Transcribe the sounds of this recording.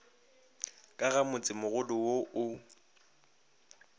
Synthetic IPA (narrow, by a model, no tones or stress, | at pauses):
kʼaɣamʊt͡sʼɪmʊɣʊdʊwoʔʊ